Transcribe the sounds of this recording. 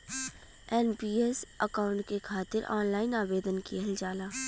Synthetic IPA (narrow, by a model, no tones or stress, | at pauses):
ɛːnbiːesə̰kaːʊ̃ɳʈkekʰaːt̪ɪɾʔɔ̰ːnlaːɪnaːʋeːd̪ənkiɦɛld͡ʒaːlaː